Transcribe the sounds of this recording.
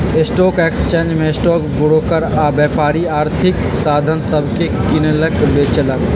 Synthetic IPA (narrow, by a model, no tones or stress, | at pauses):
ɪsʈɔːkeːkst͡ʃẽːnd͡ʒmẽsʈɔːkbʊɽoːkəɾabjɛːpaːɾiaːɾt̪ʰɪksaːd̪ʱənsəbʱkekɪneləkbeːt͡ʃelaɡ